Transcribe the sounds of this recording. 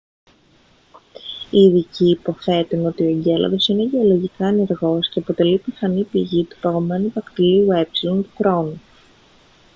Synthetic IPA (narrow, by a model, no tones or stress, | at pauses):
iːðiciːpo̞θe̞t̪uno̞t̪io̞eɲɟe̞lɐ̰ðo̞sine̞ʝe̞o̞lo̞ʝikɐe̞ne̞ɾɣo̞sce̞ɐpot̪e̞lipiθɐnipiʝit̪u̥pɐɣo̞me̞nuvɐkt̪iliue̞psilo̞nt̪uxɾo̞nu